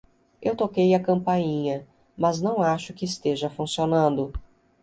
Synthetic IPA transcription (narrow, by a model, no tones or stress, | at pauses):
ewt̪okejɐkɐ̃mpaɲĩɲɐ | mɐznɐ̃w̃aʃʊkɪːst̪eʒɐfũsionɐ̃nd̪ʊ